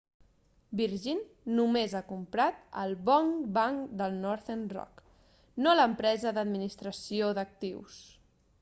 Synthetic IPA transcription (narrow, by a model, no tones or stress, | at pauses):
biɾʒinː | umezakumpɾat̪ə̰lˠβɔŋbaŋd̪əlˠnɔɾθenrɔ̰k | noləmpɾɛzəðəd̪minist̪ɾəsioðək̚t̪iws